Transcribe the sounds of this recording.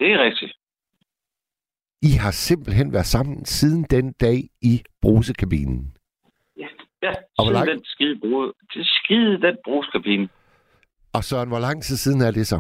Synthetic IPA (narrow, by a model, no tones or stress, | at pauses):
d̥e̝æʁɛɡ̥̚d̥i | iɦɑ̈se̝mb̥l̩ɦen̰ʋæɐd̥ˠsɑ̈m̰n̩sið̞ˠn̩d̥end̥ɛ̰ːib̥ʁo̝ːsəkʰæb̥ḭnn̩ | jæɒʋɒlɑnd̥ensɡ̥iðˠb̥ot͡sʰesɡ̥iðˠd̥enb̥ʁo̝ːsə̥kʰæb̥inə | ɒ̽sœɐnʋɒ̽lɑ̈ŋ̰t͡sʰið̰ˠsiːð̞ˠn̩æɐd̥e̝sɒ̽